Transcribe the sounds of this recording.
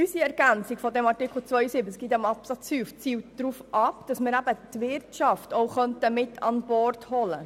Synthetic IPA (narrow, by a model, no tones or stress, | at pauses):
ysiɛɾɡ̥ænt͡sikfɔd̪ɛmɑrtɪkl̩ˠt͡sʋœjsibəskɡ̥it̪ɛmɑpsɑt͡shyːft͡siːw̚dɾuːfʔɑpd̥ɑsmɪɾæbət̪vɪrtʃɑftowχœntəmɪtʰɑnbɔrthɔlə